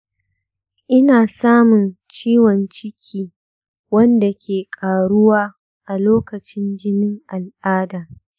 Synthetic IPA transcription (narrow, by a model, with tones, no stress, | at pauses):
ʔɪ˦naː˨saː˦mʊ˨nt͡ʃiː˦wɔ˨nt͡ʃɪ˦kʲʰiː˦ | wɐ˦nda˨kʲʰeː˨kʼaː˨ɽʊ˦waː˦ | ʔa˨loː˦kɐ˨t͡ʃɪ˦nd͡ʒɪ˦nɪ˦ŋʔa˨lʔaː˦daː˨